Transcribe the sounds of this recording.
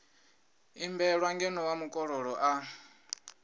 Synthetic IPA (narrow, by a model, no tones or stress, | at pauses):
imbɛɺwaŋɡɛnɔwamukʼɔɺɔɺɔʔa